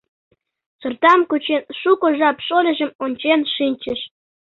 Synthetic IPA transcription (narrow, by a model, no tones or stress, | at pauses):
sɤ̆rt̪ɑmkut͡ɕenʃukoʒɑpʃolʲə̆ʑə̆monʲt͡ɕenʃinʲt͡ɕə̆ʃ